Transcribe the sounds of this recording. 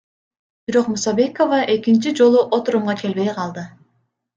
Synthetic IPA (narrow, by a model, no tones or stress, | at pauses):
b̥iɾo̞qmusɑbe̞ko̞vɑʔe̞kint͡ʃid͡ʒo̞lˠuʔot̪uɾumʁɑke̞lβe̞jqʰɑlˠd̪ɯ